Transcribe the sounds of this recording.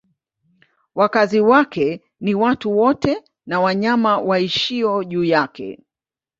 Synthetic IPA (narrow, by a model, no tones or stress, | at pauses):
wakaziwakɛ | niwatuwɔtɛ | nawaɲamawaiʃiɔʄuːjakɛ̰